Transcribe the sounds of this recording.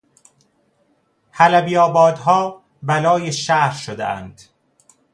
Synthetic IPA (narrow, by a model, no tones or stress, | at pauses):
hælæbijɒːbɒːd̪ɦɒː | bælɒːjeʃæhɾʃod̪ḛʔæ̰nd̪̥